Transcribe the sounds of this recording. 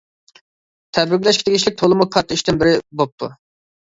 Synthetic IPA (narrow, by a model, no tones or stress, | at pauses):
t̪ʰɛbɾɪkʲlɛʃkʲi̥d̪eɡʲiʃlɪk̚ʲt̪ʰolˠmukʰɑt̪ʰːəiʃt̪ɪnbɪɾɪbop̚t̪ʰṵ